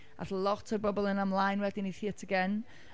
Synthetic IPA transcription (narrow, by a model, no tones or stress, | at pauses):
a̰θlˠɔtʰərbɔbɔlˠənamlˠajnwɛdiniθiːətʰəɡɛn